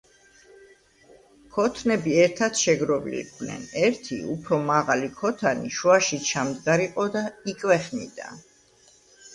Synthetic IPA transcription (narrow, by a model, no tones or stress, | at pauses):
kʰɔt̪ʰnɛbiɛɾt̪ʰat̪ʃɛɡɾɔvlḭnɛ̰nɛɾt̪ʰḭupʰɾɔmaʁalikʰɔt̪ʰanḭʃuaʃit͡ʃʰamd̪ɡaɾiqʼɔd̪aikʼwɛχnḭd̪a̰